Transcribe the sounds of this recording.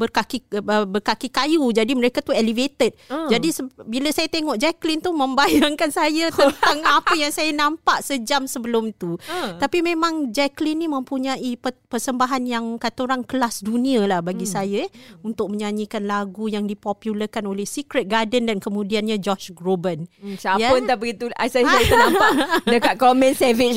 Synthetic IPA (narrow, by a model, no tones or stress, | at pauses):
bərkakiəbərkakikajud͡ʒadiməɾekat̪uelivet̪ət̪̚d͡ʒadisəbiləsajat̪eŋɔʔd͡ʒɛklint̪umə̃mbajaŋkansajat̪ənt̪aŋapəjaŋsajanãmpaʔsəd͡ʒamsəbəlʊmt̪ut̪apimẽmãŋd͡ʒɛklinːimə̃mpuɲãʔippərsəmbaɦanjaŋkat̪oɾaŋkəlasdunĩalahbaɡisajaunt̪ʊk̚məɲãɲikanlaɡujaŋdipɔpjuləkanolɛhsikɾɛt̪̚ɡadəndankəmũdianɲãd͡ʒɔʃɡɾobənsajaʊnt̪abəɡit̪uasajsajt̪ənãmpadəkat̪̚komɛ̃nsəvi